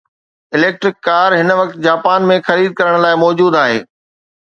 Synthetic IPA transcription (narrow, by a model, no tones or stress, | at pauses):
ɪleːk̚ʈɾɪkːaːɾɦɪnʋɐk̚t̪d͡ʑaːpaːnmẽxɐɾiːd̪̚kɐɾəɽ̃laːɪmɔːd͡ʑuːd̪aːɦḛː